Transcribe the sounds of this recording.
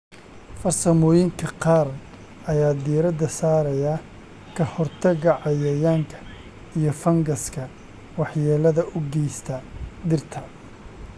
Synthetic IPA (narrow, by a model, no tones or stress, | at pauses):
fɐrsɐmɔːjɪŋkʰɐqɑːr | ɐjaːd̪iːɾɐd̪ɐsaːɾɐjɐ | kʰɐhɔrt̪ʰɐɣɐʕɑjɐjaːŋkʰɐ̥ | ijɔfɐŋɡɐskʰɐ | wɑħjɛːlɐðɐʔʊɡɛjst̪ʰɐd̪ɪrt̪ʰɐ